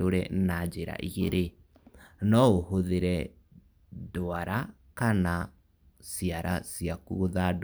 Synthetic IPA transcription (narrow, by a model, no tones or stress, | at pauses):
oɾɛ̰nad͡ʒeɾa̰ʔiɣeɾe | nɔoɦoðeɾɛ | doaɾa | kana | siaɾasiakuoðad